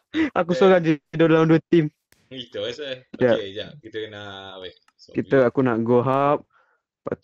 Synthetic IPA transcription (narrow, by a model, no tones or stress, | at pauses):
a̰kusoɾaŋd͡ʒidodlaunduət̪im | it̪d͡ʒaʔd͡ʒakit̪əknaʔ | kit̪əakunaʔɡoɦap̚ | pa̰t̪